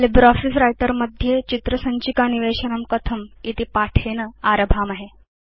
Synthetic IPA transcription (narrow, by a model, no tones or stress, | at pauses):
libɾɔfisɾajʈəɾməd̪ʱjet͡ɕit̪ɾəsəɲt͡ɕikaniʋeɕənəmkət̪ʰəmit̪ipaʈʰenəaɾəbʱaːmaɦe